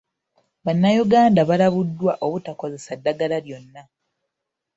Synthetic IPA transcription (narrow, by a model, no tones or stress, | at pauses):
βanːajuɡaːndaβalaβudːwaʔo̞βutako̞ze̞sadːaɡalaljo̞nːa